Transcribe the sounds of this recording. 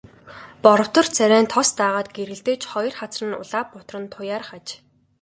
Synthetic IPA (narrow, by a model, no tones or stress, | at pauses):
pɔɾɞ̆w̥t̪ɞ̆rt͡sʰæɾʲæːnt̪ʰɔst̪aːʁaːt̪̚ɡeɾɘ̆ɮt̪eːt͡ɕχɔjɞ̆rχat͡srə̆nʊ̰ɮaːpːʊt̪rə̆nt̪ʰʊjaːrχat͡ɕ